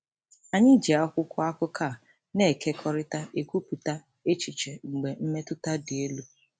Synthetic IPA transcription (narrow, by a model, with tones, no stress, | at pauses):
a˨ɲɪ˦d͡ʒi˨a˦kʷʊ˦kʷʊ˦a˦kʊ˦ka˦˨ | ne˦˨kʰe˦kʰɔ˦ɾɪ˦ta˦ʔe˨kʷu˦pu˨ta˦ | e˦t͡ʃi˨t͡ʃe˨ŋ͡m̩˨ɡ͡be˨m̩˦me˦tʊ˦ta˦dɪ˨e˦lu˦